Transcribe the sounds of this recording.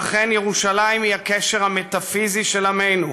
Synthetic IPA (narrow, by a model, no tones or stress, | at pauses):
χenjeʁuʃalaimhiakeʃeʁhamet̪afiziʃelamejnu